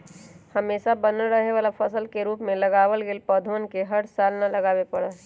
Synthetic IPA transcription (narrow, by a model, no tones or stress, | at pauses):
hɐmeːʃabənəlɾəɦeʋaːlafɐsəlkeɾuːpmẽlɐɡaːʋəlɡelpɔːd̪ʱənkeɦɐɽsaːlnalɐɡaːwepɐɽaɦ